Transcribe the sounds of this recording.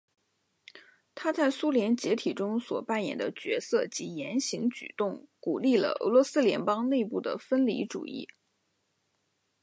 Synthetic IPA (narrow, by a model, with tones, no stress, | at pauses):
t̪ʰa˥t͡sa˥˩ɪsu˥ljɛ˧˥nt͡ɕjɛ˧˥t̪ʰi˨˩ʈ͡ʂʊ˥ŋswɔ˨˩pa˥˩njɛ̰˨˩nd̪ə˦t͡ɕɥɛ̰˧˥sɤ˥˩t͡ɕi˧˥jɛ˧˥nɕi˧˥ŋt͡ɕy̰˨˩t̪ʊ˥˩ŋku˨˩li˥˩lə̰˩ɤ̰˧˥lwɔ˧˥sɹ̩˥ljɛ˧˥npɑ˥ŋne˥˧ɪpu˥˩d̪ə̰˩fə˥nlḭ˧˥ʈ͡ʂṵ˨˩ḭ˥˩